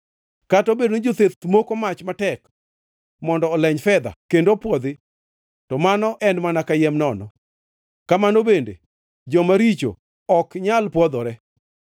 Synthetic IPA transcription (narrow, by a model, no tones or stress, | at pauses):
katɔbedond͡ʒot̪et̪mokomat͡ʃmatɛk | mɔndɔːlɛɲfɛd̪a̰kendopwɔd̪ɪ | tɔmanɔʔɛnmanakajɛmnɔnɔ | kamanobendḛ | d͡ʒɔmaɾit͡ʃo̰ | ɔkɲalpwɔd̪ɔɾɛ